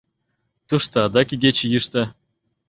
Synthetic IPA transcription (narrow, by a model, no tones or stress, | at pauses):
t̪uʂt̪ɑːd̪ɑkʲiɡʲet͡ɕijɯʂt̪ɤ̆